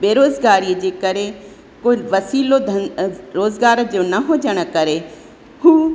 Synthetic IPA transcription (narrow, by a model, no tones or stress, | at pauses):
beːɾoːzɡaːɾiəd͡ʑeːkɐɾe | koːiʋɐsiːlod̪ʱɐɾoːzɡaːɾd͡ʑoːnɐɦod͡ʑəɽ̃ə̆kɐɾe | ɦuː